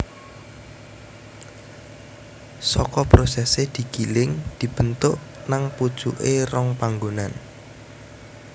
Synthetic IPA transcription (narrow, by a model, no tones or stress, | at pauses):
sɔkɔpɾosɛsehd̪̥i̤ɡ̥ilɪŋd̪̥i̤b̥ənt̪ʊʔ | naŋpud̥ʒ̥ṵʔerɔŋpaŋɡonan